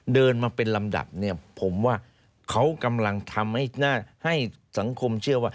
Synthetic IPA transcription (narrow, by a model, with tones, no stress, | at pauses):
dɤː˧nmaː˧pe˧nla˧mda̰˨˩p̚ni˥˩ɐpʰo˩˦mwaː˥˩ | kʰa˦˥wka˧mla˧ŋt̪ʰa˧mha˥˩jnaː˥˩ha˥˩j | sa˩˦ŋkʰo˧mt͡ɕʰɯ˥˩ɐwaː˥˩